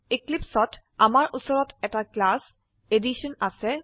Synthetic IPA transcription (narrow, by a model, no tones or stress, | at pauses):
iklipsɔt | amaɹʔusɔɹɔtɛtaklas | ediʃɔnasɛ